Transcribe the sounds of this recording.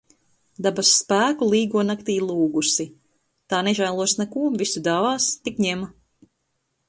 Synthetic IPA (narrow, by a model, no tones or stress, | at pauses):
d̪abasːpæːkulˠiːɡuɔnakt̪iːlˠuːɡusi | t̪aːneʒæːlˠuɔsnɛkuːmvisud̪aːvaːst̪ikɲɛma